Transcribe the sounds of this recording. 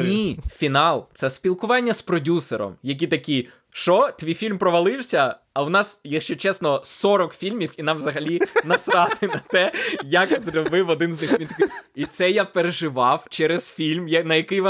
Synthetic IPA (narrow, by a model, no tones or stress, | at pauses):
nʲifʲinɑlˠt̪sɛspʲilˠkʊʋɑnʲːɐspɾɔdʲuseɾɔ̰mjɐkʲit̪ɐkʲi | ʃɔt̪ʲʋʲijfʲilʲmpɾɔʋɐlˠɪwsʲɐɐwnɑsjɐkʃt͡ʃɛt͡ʃɛsnɔsɔɾɔkfʲilʲmʲiwinɑmʋzɐɦɐlʲinɐsɾɑt̪ɪnɐt̪ɛjɐkzɾʲɐbɪwɔd̪ɪnznɪxit̪ɐkɪit̪sɛjapeɾeʒɪʋɑwt͡ʃɛɾez̥fʲilʲmjɐnɐjɐkɪjʋɔ